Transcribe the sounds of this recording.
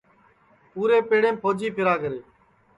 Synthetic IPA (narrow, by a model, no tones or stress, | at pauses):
puːɾeːpeːɽẽːmpʰoːd͡ʒiːpʰɪɾaːkəɾeː